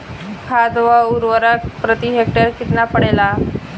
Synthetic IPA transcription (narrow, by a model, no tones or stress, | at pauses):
kʰad̪ʋauɾʋəɾakpɾət̪iɦek̚ʈəɾkit̪napəɽela